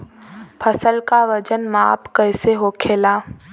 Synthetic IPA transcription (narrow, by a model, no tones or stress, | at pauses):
pʰəsəlkaʋəd͡ʒənma̰ːpkəɪseɦoːkʰeːlaː